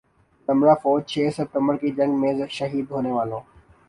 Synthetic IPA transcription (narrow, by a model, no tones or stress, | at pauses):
t̪əmɾaːfɔːd͡ʒ̚t͡ʃʰeːsəp̚t̪ə̃mbəɾkiːd͡ʒə̃ŋɡmẽːʃəɦiːd̪ɦoːneːʋaːlõː